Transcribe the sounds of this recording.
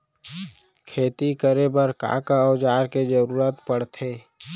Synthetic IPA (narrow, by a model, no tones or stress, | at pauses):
kʰeːt̪ikəɾebəɾka̰ːkaɔd͡ʒaːɾked͡ʒəɾuːɾət̪pəɽt̪ʰeː